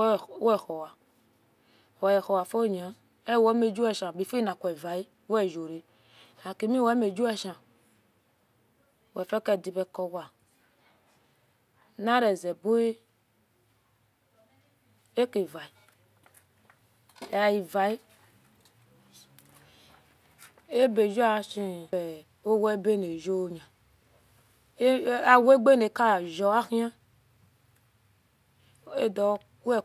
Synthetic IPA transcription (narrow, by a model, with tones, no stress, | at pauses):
wɛ˦˨xɔ˨wa˨ | wɔ˨jɛ˨xɔ˨wa˨fo˦˨ɲ˨a˨ | e˦˨wɛ˦me˨d͡ʒu˦ɛ˦˨ʃã˨bi˨fe˦nã˨kʷɛ˨va˨i˦ | wo˦ɛ˦˨ʒo˨ɾe˨ | a˨ke˨mi˦wɛ˨˦me˨d͡ʒu˦ɛ˦ʃã˨ | wɛ˨fɛ˦kɛ˦˨di˨bɛ˦˨kɔ˨wa˨ | nã˦ɾɛ˨zɛ˨bo˦e˦ | e˦ke˨va˨i˨ | a˨ji˨va˨i˦ | e˦be˨d͡ʒo˦a˨si˦ɛ˨ | o˦we˦be˦ne˨ʒo˦˨ɲa˨˦ | a˨wo˦e˦ɡ͡be˦ne˨ka˦˨ʒɔ˨a˦xi˦a˦ | e˦dɔ˨˦ | u˦ɛ˦